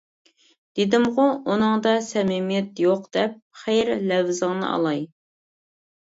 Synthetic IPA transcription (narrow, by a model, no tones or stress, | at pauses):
d̪̥ed̪ɪmʁʊʔunɨŋd̪ɑsɛmɪmijɛt̪joqd̪̥ɛp̚χɛjɾlɛvzɨŋnɨ̰ɑ̰lˠɑj